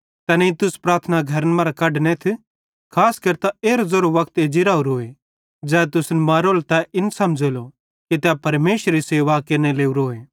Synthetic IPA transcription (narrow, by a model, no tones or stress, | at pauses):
t̪ɐnɛit̪ʊspɾaːɾt̪ʰnaɡʱɐɾənmaːɾakɐɖnẽt̪ʰ | kʰaːskɐɾt̪aeːɾozoɾoʋɐkʰt̪ed͡ʒɪɾaːuɾoːe | d͡ʒɛːt̪ʊsnmaːɾoːlt̪ɛʔɪnsɐmd͡ʒelo | kit̪ɛpɐɾmeːsɾiseːʋakeɾneleːuɾɦoːeː